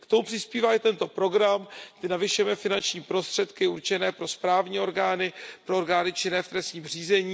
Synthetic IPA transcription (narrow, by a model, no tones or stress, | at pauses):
kt̪o̞mupr̝̥ɪspiːvaːɪt̪ɛnt̪o̞pɾo̞ɡɾamt̪ɪnavɪʃʊjɛmɛfɪnant͡ʃɲiːpɾo̞st̪r̥ɛt̪kɪuɾt͡ʃɛnɛːpɾo̞spɾaːvɲiːo̞ɾɡaːnɪpɾooɾɡaːnɪt͡ʃɪnɛːft̪ɾɛsɲiːmr̝iːzɛɲiː